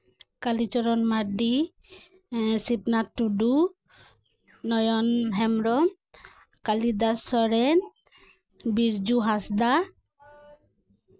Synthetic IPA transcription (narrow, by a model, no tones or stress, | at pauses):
kalit͡ʃɔɾɔnmaɖi | sipnatːuɖu | nɔjɔnɦɛmɾɔm | kalid̪asɔɾɛn | biɾd͡ʒuɦasd̪a